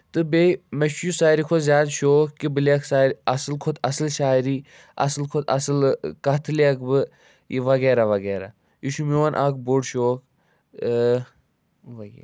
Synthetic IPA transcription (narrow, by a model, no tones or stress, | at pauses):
t̪ɨbemɐʃjusaːɾikʰozjaːd̪ʃoːkkibɨliɐksaːɾɐsɨlkʰot̪ʰɐsɨlʃaːɾiː | ɐ̰sɨlkʰot̪ʰɐ̰sɨlkɐt̪ʰɨliɐkbɨ | iʋɐɡeːɾaʋɐɡeːɾa̰ | iʃumoːnʔaːk̚boɖʃoːk | ʋɐɡḛː